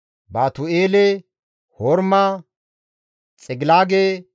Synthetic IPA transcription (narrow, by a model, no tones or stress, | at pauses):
baːt̪ʊeːlɛ | hɔɾma | t͡sʼɛɡɪlaːɡe